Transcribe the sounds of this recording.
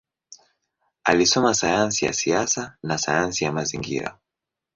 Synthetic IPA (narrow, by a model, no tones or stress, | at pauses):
a̰lisɔmasajansija̰siasanasajansijamaziŋɡḭɾa̰